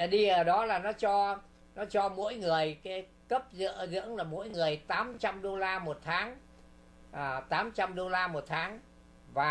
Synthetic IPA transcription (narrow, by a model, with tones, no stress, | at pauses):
ɗi˧ʔəː˧˩ɗɔ˨˦laː˨˩nɔ˨˦t͡ɕɔ˧ | nɔ˨˦t͡ɕɔ˧mo̰˧˥jŋɨ˨˩əjkaː˨˦ | kə˦˥p̚zɨ̰˧˨əzɨ̰˧˥əŋlaː˨˩mo̰˧˥jŋɨ˨˩əjt̪aː˨˦mt͡ɕa˧mɗo˧laː˧mo˨˩t̚t̪ʰaː˨˦ŋ | ʔəː˨˩t̪aː˨˦mt͡ɕa˧mɗo˧laː˧mo˨˩t̚t̪ʰaː˨˦ŋ | vaː˨˩